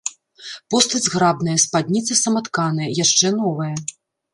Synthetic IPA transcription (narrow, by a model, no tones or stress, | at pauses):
pɔst̪ɐd͡zʲɣɾabnɐjɐspad̪ʲnʲit̪sɐsɐmat̪kanɐjɐjaʂt͡ʂɛnɔvɐjɐ